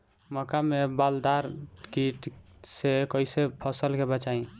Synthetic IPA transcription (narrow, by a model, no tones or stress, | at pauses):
məkamebald̪aɾkiʈsekəjsepʰəsəlkebət͡ʃaĩ